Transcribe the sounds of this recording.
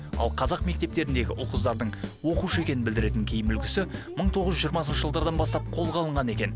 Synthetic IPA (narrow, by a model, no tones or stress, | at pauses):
ɑ̰lˠqʰɑzɑqme̞k̚t̪e̞p̚t̪e̞ɾɪnd̪e̞ɡʲɪʔʊlˠqəzd̪ɑɾd̪əɴwo̞quʃəe̞kʲe̞nɪnbɪld̪ɪɾe̞t̪ɪŋkʲʰejɪmʏlɡʲɪsɪməɴt̪ʰo̞ʁəzʒʏʒijəɾmɑsənʃəʒəlˠd̪ɑɾd̪ɑnbɑst̪ɑp̚qʰo̞lˠʁɑlˠəɴʁɑne̞kʲe̞n